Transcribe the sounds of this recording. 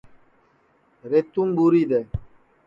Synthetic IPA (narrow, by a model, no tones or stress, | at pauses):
ɾet̪uŋbuɾid̪ɛ